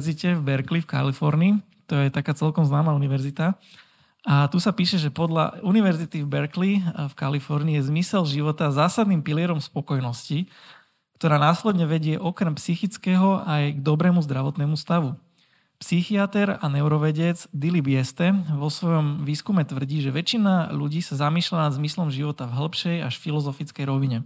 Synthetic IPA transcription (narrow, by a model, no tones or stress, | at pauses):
zicɛvbɛɾklifka̰lifɔɾniː | t̪ɔjɛt̪akaːt͡sɛlkɔmznaːmaːuniʋɛɾzit̪a | ʔat̪usapiːʃɛʒɛpɔd̪ʎa̰uniʋɛɾzit̪ivbɛɾklifkalifɔɾniːjɛzmisɛlʒiʋɔt̪azaːsad̪niːmpiliɛɾɔmspɔkɔjnɔsci | kt̪ɔɾaːnaːslɛd̪ɲɛʋɛɟɪɛʔɔkɾɛmpsixit͡skɛɦɔʔajɡd̪ɔbɾɛːmuzd̪ɾaʋɔt̪nɛːmust̪aʋu | psixiat̪ɛɾanɛʊɾɔʋɛɟɛd͡zd̪ilibɪɛst̪ɛʋɔsʋɔjɔmʋiːskumɛt̪ʋr̩ɟiːʒɛʋɛt͡ʃinaʎuɟiːsazamiːʃlanad̪zmislɔmʒiʋɔt̪avɦl̩pʃɛjaʃfilɔzɔfit͡skɛjɾɔʋiɲɛ